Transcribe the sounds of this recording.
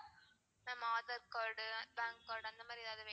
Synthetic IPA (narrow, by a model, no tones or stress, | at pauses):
nɐmaːðɐɾkoːɾɖbaːŋkkoːɾɖɐnd̪ɐmaːd̪ɾiɐðaːwðɯʋeː